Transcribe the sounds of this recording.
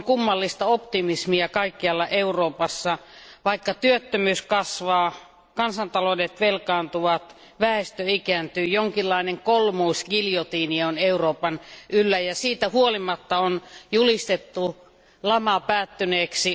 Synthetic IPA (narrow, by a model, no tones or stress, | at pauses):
ŋkumːɑlːist̪ɑopt̪imismiækɑikːiɑlːɑʔeuroːpɑsːɑʋɑikːɑt̪yøt̪ːømyːskɑsʋɑː | kɑnsɑnt̪ɑlodet̪ʋelkɑːnt̪uʋɑt̪ | ʋæest̪øikænt̪yːjoŋkilːɑineŋkolmuusɡiljot̪iːnioneuroːpɑnʔylːæjɑsiːt̪æhuolimɑt̪ːɑonjulist̪et̪ːu | lɑmɑpæːt̪ːyneːksi